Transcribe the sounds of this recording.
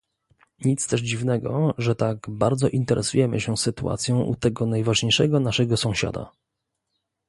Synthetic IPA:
ɲit̪st̪ɛʐd͡ʑivnɛɡɔʐɛt̪aɡbaɾd̪zɔʔint̪ɛɾʔɛsujɛmɘ̰ɕɛ̃sɘt̪ua̰t̪sʲjɔ̃ʔṵt̪ɛɡɔnajvaʐɲejʂɛɡɔnaʂɛɡɔsɔ̃w̃ɕa̰d̪a̰

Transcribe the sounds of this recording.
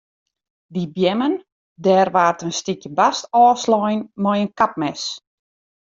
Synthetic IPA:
dibjɛmən | dɛːrʋaːrtənstikjəbastɔːslɔjnmɔjənkap̚mɛs

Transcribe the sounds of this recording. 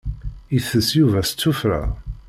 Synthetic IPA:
iθːəsjuvæst͡sːufɾa̰

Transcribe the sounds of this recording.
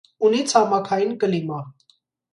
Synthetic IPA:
unit͡sʰɑmɑkʰɑjinkəlimɑ

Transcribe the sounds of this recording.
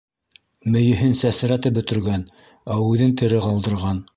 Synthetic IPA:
mɘ̆jɘ̆ɦɘnsæsɾæt̪ɘp̚bɵ̆t̪ɵ̆ɾɡæn | æʉðɘnt̪ɘ̆ɾɘqɑlˠd̪ɤ̆ɾʁɑn

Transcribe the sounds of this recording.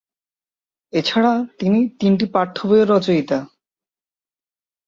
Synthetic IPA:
et͡ɕʰaɽat̪init̪inʈipaɾt̪ʰːobeeɾːɔt͡ɕoit̪a

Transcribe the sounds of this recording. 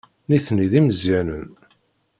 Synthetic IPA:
niθniðiməzjænən

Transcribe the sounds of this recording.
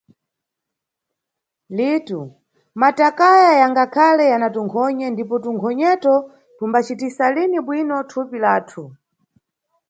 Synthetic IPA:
litu | matakajajaŋɡakʰalɛjanatuŋkʰɔɲɛndipɔtuŋkʰɔɲɛtɔ | tumbat͡ʃitisaliniɓwinɔtʰupilaːtʰu

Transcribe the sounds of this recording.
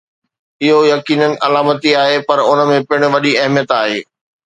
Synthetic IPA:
ɪɦojɐkiːnənɪ̆ʔɐlaːmət̪iaːɦepɐɾʊnə̆mẽpɪɽ̃̆ʋɐɗiɐɦmijət̪aːɦeː

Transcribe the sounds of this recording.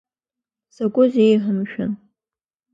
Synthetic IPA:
sakʷʼʊzejħəmʃᶣʊn

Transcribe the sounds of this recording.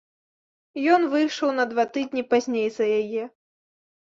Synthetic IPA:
jɔnvɨjʂɐwnɐd̪vat̪ɨd̪ʲnʲipazʲnʲejzɐjajɛ

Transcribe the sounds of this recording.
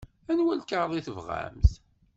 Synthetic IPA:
ænwænkəɾˤðˤiθəvʁæ̰mθ

